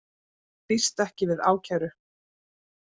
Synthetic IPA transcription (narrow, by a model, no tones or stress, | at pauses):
pist̪ɛhcɪvɪða̰ːwcʰaːɾʏ